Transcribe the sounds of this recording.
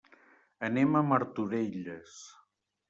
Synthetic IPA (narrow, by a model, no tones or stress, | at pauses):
əneməməɾt̪uɾeʎəs